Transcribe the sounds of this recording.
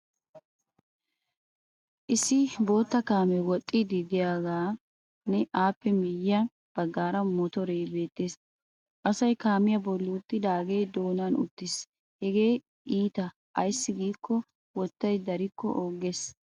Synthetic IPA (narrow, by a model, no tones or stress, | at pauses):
ʔɪsɪbo̞ːt̪ːɐkaːmɛwɔt̪ʼːɪd̪ɪd̪ɪjaːɡaː | nɛʔaːpːɛmɪjɪɐ | b̥ɐɡːaːɾɐmɔt̪ɔɾejbe̞ːt̪ːeːs | ʔɐsɐjkaːmɪjɐbɔlːʊːt̪ːɪd̪aːɡeːd̪oːnanʊ̰t̪ːɪs | hɛɡe̞ː | iːt̪ɐ | ʔɐjsːɪɡiːkːɔ | wɔt̪ːɐjd̪ɐɾɪkːɔ̰ʔoːɡe̞s